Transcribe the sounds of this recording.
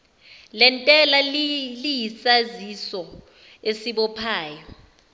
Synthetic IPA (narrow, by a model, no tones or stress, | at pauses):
lɛntʼɛlallijisazisɔ | esiɓɔpʰaːjɔ